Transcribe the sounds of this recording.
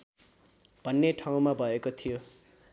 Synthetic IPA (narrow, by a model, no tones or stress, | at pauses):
b̥ʱʌnːeʈʰaw̃mabʱʌekot̪ʰijo